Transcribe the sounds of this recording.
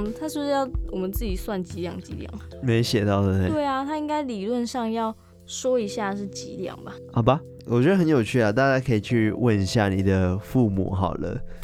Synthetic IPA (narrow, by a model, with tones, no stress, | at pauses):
t̪ʰa˥ʂ̩˥˧ʂɻ̩˥jɑ˥˩ʊwɔ˨˩mə˨˦nt͡sɹ̩˥˩t͡ɕi˨˩swa˥˩nt͡ɕi˧˥ljɑ˥˩ŋt͡ɕḭ˧˥ljɑ̰˥˩ŋ˩me˧˥ɪɕjɛ˨˩t̪ɑ˥˩ʊd̪ə˨˩˥t̪we˥˩ɪa˨t̪ʰa˦˥i˦˥ŋka˥ɪli˨˩lwə˥˧nʂɑ˥˧ŋjɑ˥˩ʊ | ʂwɔ˥i˧˥ɕja˥˧ʂɻ̩˥˩t͡ɕḭ˧˥ljɑ̰˨˩ŋba˩ | ɑ˨˩ʊba˨˦ | wʔɔ˨˩t͡ɕɥɛ˧˦d̪ə˧xə˧˦njo˨ʊt͡ɕʰy˥˩a˨˩t̪a˥˧t͡ɕja˥kʰɤ˧˥i˨˩t͡ɕʰy˥˧wə˥˧ni˧ɕja̰˥˩nḭ˨˩d̪ə˦fu˥˨mṵ˨˩˦xɑ̰˨˩ʊlə̰˦